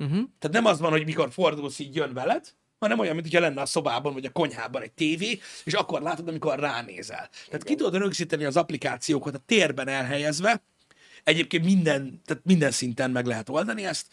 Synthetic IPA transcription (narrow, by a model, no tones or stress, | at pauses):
t̪aːt̪nɛmɒzbɒnɦo̞ɟmiko̞rfo̞rd̪uːlsiːcjønvɛlɛd̪ | hɒnɛmojɒnmːint̪ʰocʰɒlɛnːɛɒso̞baːbɒnoɟɒko̞ɲɦa̰ːbɒnɛɟ̚t̪eːveːeːʃɒkːo̞rlaːt̪od̪ɒmiko̞rːaːnḛːzɛ̰lt̪ɛaːt̪kit̪ud̪d̪øɾøɡziːt̪ɛniɒzɒplikaːt̪sijoːkɑt̪ɒt̪ːeːrbɛnɛlɦɛjɛzvɛ | ɛɟeːp̚kent̪mind̪ɛnt̪aːt̪mind̪ɛnsint̪ɛnmɛɡlɛɦɛt̪o̞ld̪ɒniɛst̪